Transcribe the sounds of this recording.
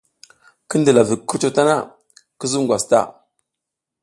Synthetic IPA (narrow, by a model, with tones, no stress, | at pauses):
kə˦ndə˨la˨vi˨kːu˦t͡ʃo˨ta˦na̰˦ | kə˦zu˦mɡwa˨sta̰˦